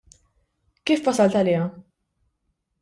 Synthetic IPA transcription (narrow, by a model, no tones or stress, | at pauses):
kiːfwɐsɐlt̪ɐlɪːjɐ